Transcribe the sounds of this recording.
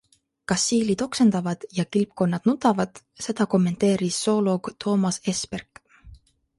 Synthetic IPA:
kɑsːiːlid̪̥o̞kse̞nd̪̥ɑvɑd̪̥jɑkilp̚ko̞nːɑd̪̥nut̪ːˑɑvɑd̪̥ | se̞d̪̥ɑko̞mːe̞nt̪e̞ːɾisːo̞ːlo̞ɡ̥t̪ʰo̞ːmɑse̞sperk

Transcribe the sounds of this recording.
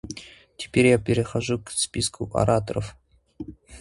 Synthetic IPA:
tʲɪ̥pʲeɾʲjapʲɪɾʲɪxaʐukspʲiskʰuʔɐ̰ɾat̪oɾəf

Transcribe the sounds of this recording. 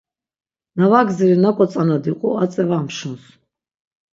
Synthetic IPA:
navaɡziɾinakʼɔt͡s̪ʼanad̪iqʼṵat͡s̪ʼɛvamʃuns

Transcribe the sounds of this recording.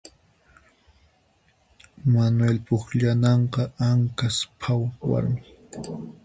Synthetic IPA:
manwelpʊkʎanɑɴqɑaŋkaspʰawwa̰ɾmɪ

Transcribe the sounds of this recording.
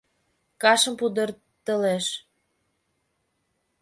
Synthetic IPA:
kɑʃəmpud̪ər | t̪əleʃ

